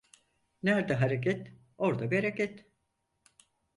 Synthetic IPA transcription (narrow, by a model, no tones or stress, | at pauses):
næɾd̪ɛɦaɾek̬ɛt̪ | oɾd̪abeɾecɛt̪